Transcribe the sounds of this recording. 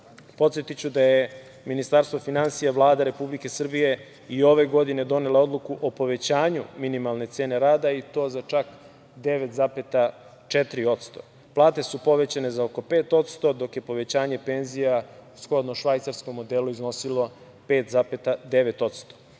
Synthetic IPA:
po̞t̪sjet̪it͡ɕud̪aje | minist̪aɾst̪ʋo̞finansijaʋlˠaːd̪aɾe̞publike̞sr̩bije̞ | io̞ʋe̞ɡo̞d̪ine̞d̪o̞neleo̞d̪lˠukuʔopo̞ʋe̞t͡ɕaːɲṵminimalˠne̞t̪se̞ːne̞ɾaːd̪ait̪o̞ːzat͡ʃak | d̪e̞ʋet̪zapet̪a | t͡ʃet̪ɾio̞t̪st̪o̞̰ | plˠaːt̪e̞supo̞ʋe̞t͡ɕane̞zaoko̞pe̞ːt̪o̞t̪st̪o̞d̪o̞kje̞po̞ʋe̞t͡ɕaːɲe̞pe̞nzijausxo̞d̪noʃʋajt̪saɾsko̞mːo̞d̪eluizno̞silo̞ | pe̞ːt̪zapet̪ad̪eʋe̞t̪o̞t̪st̪o̥

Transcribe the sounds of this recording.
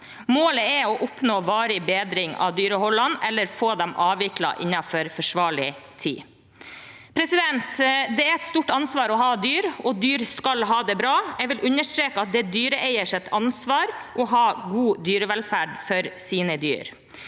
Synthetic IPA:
moːləɛɔʔʊpnoːʋɑːɾɪbeːd̪ɾɪŋɑ̰ʋd̪yːɾəhɔlːɑnʔɛlːəɾfoːd̪ɛmɑːʋɪklɑ̰ʔɪ̰nːɑfɔɾfɔʂʋɑːɭɪt̪ʰḭː | pʰɾɛsɪd̪ɛnt̪d̪ɛæɾɛt̪st̪uːʈːɑnsʋɑːɾɔɦɑːd̪yːɾɔd̪yːɾskɑlɦɑːd̪ɛbɾɑːɛɡʋɪlʔʉnːəʂʈ̪ɾeːkəɑt̪̚d̪ɛd̪yːɾəʔæɪəʂɛt̪ʰɑnsʋɑːɾʔɔɦɑːɡuːd̪yːɾəʋɛlfæːɖfɔɾsiːnəd̪y̰ːɾ

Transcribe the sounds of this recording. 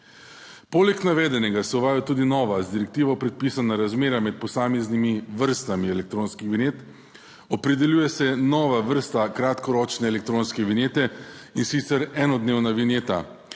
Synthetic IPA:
poːlɛknaʋɛːd̪ɛnɛɡasɛuʋaːjat̪uːd̪inɔːʋazd̪iɾɛk̚t̪iːʋɔpɾɛt̪̚piːsanaɾazmeːɾamɛt̪̚pɔsaːmeznimiʋəɾst̪amiɛlɛk̚t̪ɾoːnskixʋineːt̪ | ɔpɾɛd̪ɛljuːjɛsɛnɔːʋaʋəɾst̪akɾat̪kɔɾɔːt͡ʃnɛːlɛk̚t̪ɾoːnskɛʋineːt̪ɛinsit̪sɛɾɛːnɔd̪neːwnaʋineːt̪a̰

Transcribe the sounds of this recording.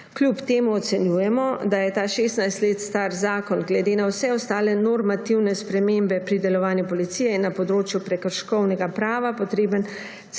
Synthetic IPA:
klʲjupt̪eːmuɔt̪sɛnjuːjɛmɔd̪ajɛt̪aːʃeːst̪najst̪leːt̪st̪aɾzaːkɔnɡlɛd̪eːnawsɛɔst̪aːlɛnɔɾmat̪iwnɛspɾɛmembɛpɾid̪ɛlɔʋaːnjɛpɔlit̪siːjɛinːapɔd̪ɾoːt͡ʃjupɾɛkəɾʃkɔwnɛɡapɾaːʋapɔt̪ɾeːbən

